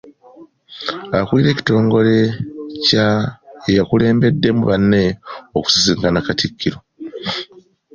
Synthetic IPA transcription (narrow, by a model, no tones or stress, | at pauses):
akwuliɾe̞ːci̥to̞ːŋɡo̞le̞caejakule̞ːmbe̞dːe̞muβanːe̞oku̥siziːŋkanakatikːiɾo̞